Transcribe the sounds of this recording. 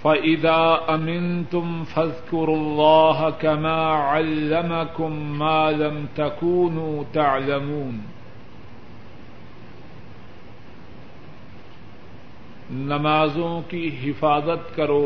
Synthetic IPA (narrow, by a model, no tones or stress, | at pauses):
fɐʔɪðaːʔɐmɪnt̪ʊmfɐðkʊɾʊlːaːɦɐkɐmaːʕalːɐmɐkʊmːaːlɐmt̪ɐkuːnuːt̪aʕlɐmuːn | nɐmaːzõkiɦɪfaːzɐt̪kɐɾoː